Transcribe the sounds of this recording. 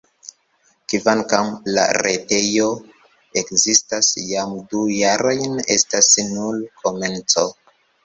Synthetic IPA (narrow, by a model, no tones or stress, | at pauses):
kivankamla̰ɾete̞jo̞ | ekzistasjamdujaɾojne̞stasnulkʰo̞me̞nt͡so̞